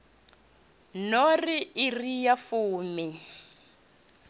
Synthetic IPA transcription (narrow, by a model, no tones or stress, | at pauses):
noriirijafuːmi